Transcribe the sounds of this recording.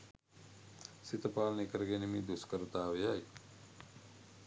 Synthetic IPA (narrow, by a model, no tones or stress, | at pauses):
sit̪əpaːlɐnekəɾɡenimiːd̪uskəɾut̪aːʋejaj